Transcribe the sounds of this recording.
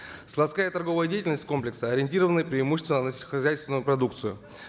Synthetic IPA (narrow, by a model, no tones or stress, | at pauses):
slˠɐt̪skajət̪ɐrɡo̞vəjədʲejɪtʲɪlnəsʲtʲko̞mplʲɪksəɐɾʲɪnʲtʲiɾəvənɨjpɾʲɪːmuɕ̬ːɪst̪vnənəsʲəxɐzʲæjst̪vʲɪnʊjʊpɾɐd̪uk̚t̪sɨjʊ̰